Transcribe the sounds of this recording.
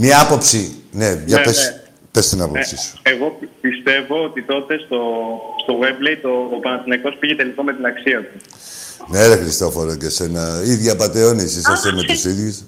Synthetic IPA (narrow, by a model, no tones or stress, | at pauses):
mɲɐɐpo̞psineɐpes | pest̪inɐpo̞psisu̥eɣoppist̪e̞vo̞ot̪it̪o̞t̪e̞st̪o̞st̪o̞ɣweblejt̪oːpɐnɐθinɐko̞spiʝet̪elikomet̪inɐksiɐt̪u | neɾexɾist̪ofoɾocesenɐiðʝɐpɐt̪eonisisɐst̪eme̞t̪usiðʝus